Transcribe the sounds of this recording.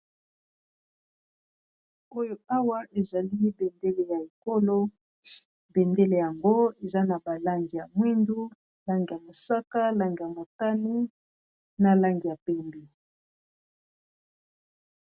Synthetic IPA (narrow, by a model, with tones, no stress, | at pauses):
o˦jo˦a˦wa˦ʔe˨za˨li˦be˨nde˦le˨ja˨e˨ko˦lo˦ | bɛ˨nde˦le˨ja˨ŋɡo˦e˨za˦na˨ba˨la˦ŋɡi˨ja˨mwi˦ndu˦ | la˦ŋɡi˨ja˨mo˨sa˦ka˦la˦ŋɡi˨ja˨mo˨ta˦ni˦ | na˨la˦ŋɡi˨ja˨pɛ˦mbe˨